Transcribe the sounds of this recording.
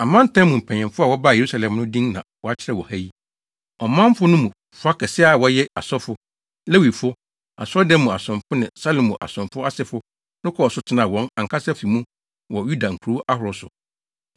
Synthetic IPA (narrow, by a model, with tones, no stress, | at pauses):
a˨mã˦n˦tʰã˦mũ˨m̩˨pʰɛ̃˨ɲɪ̃˨fʊ˦a˨wɔ˦ba˦˨je˨ɾu˦sa˨lɛ̃˨mnʊ̃˦dĩ˦ŋnã̰˨wɔ˦a˦t͡ɕʰɪ˦ɾɛ˦˨wɔ˨hæ˦ji˦ | ɔ˨mã˦m˦fʊ˦nʊ̃˦mũ˨ | fʊ˨˦a˦kɛ˨sɪ˦a˨wɔ˦jɛ˦a̰˨sɔ˦fʊ˦ | lɛ˦wi˨fʊ˦ | a̰˨sɔ˦dɛ˦mũ˨a˨sʊ̃˨mfʊ˦nɪ̃˨sa˦lo˨mũ˨ʔa̰˨sʊ̃˨mfʊ˦a˦sɪ˦fʊ˦ | nʊ̃˦kʰɔ˦ɔ˨sʊ˦tʰɪ˦nã˨wɔ̃˦na˨ŋ̩˨kʰa˦sɛ˦fi˨mũ˦ | wɔ˨ju˦da˨ŋ̩˨kʰu˨ɾu˦ʔa˦hʊ˨ɾʊ˦sʊ̰˨